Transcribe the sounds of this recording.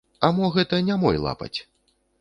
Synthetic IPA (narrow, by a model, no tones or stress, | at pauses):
ɐmɔɣɛt̪ɐnʲamɔ̰jlˠa̰pɐ̰t͡sʲ